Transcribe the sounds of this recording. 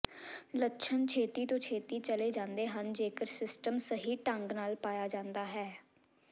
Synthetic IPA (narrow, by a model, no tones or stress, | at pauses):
lətːʃʰənt͡ʃʰeːt̪iːt̪õːt͡ʃʰeːt̪iːt͡ʃəleːd͡ʒãːnd̪eːɦənd͡ʒeːkəɾsɪsʈəmsəɦiːʈəŋɡnaːlpaːjaːd͡ʒãːnd̪aːɦɛː